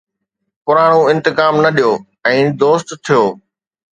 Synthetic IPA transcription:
pʊɾaːɽ̃uɪ̃nt̪ɪkaːmnɐɗijoː | ɛ̃ːd̪oːst̪t̪ʰːijoː

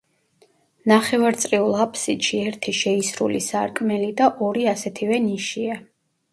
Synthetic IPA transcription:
naχɛvaɾt̪sʼɾiulˠapʰsid̪ʃiɛɾt̪ʰiʃɛisɾṵlḭsaɾkʼmɛlid̪aʔɔɾiasɛt̪ʰivɛniʃia

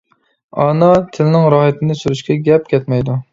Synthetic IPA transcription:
ɑnɑt̪ʰɪlɪnɪŋɾɑːɦɪt̪ʰɪnɪsyɾyʃkʲɛɡʲɛpkʲɛt̪mɛjd̪u

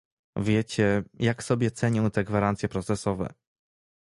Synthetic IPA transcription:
vʲjet͡ɕɛjaksɔbʲjɛt̪sɛɲɔ̃w̃t̪ɛɡvaɾant̪sʲjɛpɾɔt̪sɛsɔvɛ̰

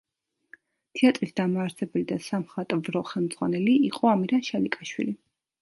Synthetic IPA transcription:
t̪ʰiat̪ʼɾisd̪amaːɾsɛbɛlid̪asamχat̪ʼvɾɔχɛlˠmd̪zʁwanɛliiqʼɔamiɾaʃalikʼaʃwḭli

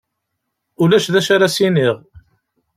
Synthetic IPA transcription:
ʊlæʃðæʃaɾasiniʁ

